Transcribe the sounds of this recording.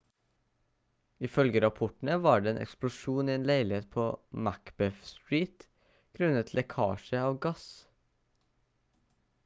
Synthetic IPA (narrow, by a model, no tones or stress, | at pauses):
ɪfœlɡəɾɑpʰɔʈɳ̩əʋɑːɖeːeːnɛ̰ksplʊʃuːniːeːnleɪlɪheːt̪pʰoːmækb̥ɛfst̪ɹiːt̪ | ɡ̥ɾʉnət̪ʰlʔɛkʰɑ̰ːʃəɑːʋɡɑs